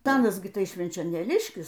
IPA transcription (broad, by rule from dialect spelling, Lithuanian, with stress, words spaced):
tɐˈɑːnɐs ɡʲɪ ˈtɐɪ ʃʲʋʲɛnʲt͡ʃʲoːnʲeːˈlʲɪʃʲkʲɪs